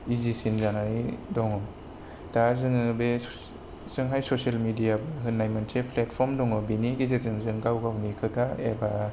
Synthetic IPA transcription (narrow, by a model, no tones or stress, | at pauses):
izisinzanaidɔŋɔ | tazɯŋɯbe | zɯŋɦajsɔselmidijabɯɦɯnːajmantʰepʰletpʰɔmdɔŋɔbiniɡizezɯŋzɯŋɡawɡawnikʰɯtaeba